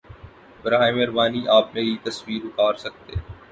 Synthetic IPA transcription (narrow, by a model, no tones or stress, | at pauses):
bɐɾaːemeɾbaːniʔaːp̚mẽɦit̪ɐswiːɾʊʈʰaːɾsɐk̚t̪ḛː